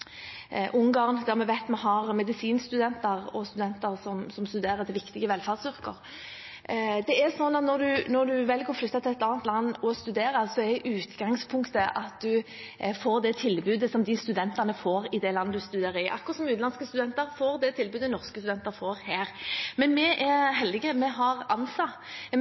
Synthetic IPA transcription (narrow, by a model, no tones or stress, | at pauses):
ʔʊŋɡɑːʁnd̪æhɑɾmɛʋæt̪mɑnɦɑɾmɛd̪ɪsiːnst̪ʉd̪ɛnt̪əʁɔst̪ʉd̪ɛnt̪əɾsɔmsɔmst̪ʉd̪eːɾət̪ʰɪlʋɪkt̪ɪɡəʋɛlfɑʁsʏʁkəɾ | d̪ɛæɾsɔnːɑt̪nɔɾd̪ʉnɔɾd̪ʉʋɛlɡoːflʏt̪ːɑt̪ʰɪlɛt̪ɑːnt̪lɑnːɔst̪ʉd̪eːɾəsɔɛʔʉːt̪ɡɑŋspʰʊŋkt̪əʔɑt̪̚d̪ʉ | foːɾd̪ɛt̪ʰɪlbʉːd̪əsɔmd̪ɪst̪ʉd̪ɛnt̪əʁnəfoːɾɪd̪ɛlɑnːəd̪ʉst̪ʉd̪eːɾəɪʔɑ̰kːɔʁɑt̪sɔmʉːt̪nɑnskəst̪ʉd̪ɛnt̪əɾfoːɾd̪ɛt̪ʰɪlbʉːd̪ənɔʁskəst̪ʉd̪ɛnt̪əɾfoːɾhæːɾmɛnmɛʔɛɾɦɛld̪ɪɡəmɛɦɑɾɑnsɑ